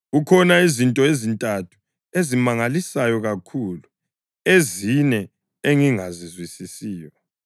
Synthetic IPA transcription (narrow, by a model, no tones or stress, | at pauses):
ɣukʰɔnaizintʼɔezintʼatʰu̥ | ezimaŋalisajɔɣakʰulu | ezinɛ | eŋiŋazizwisisiːjɔ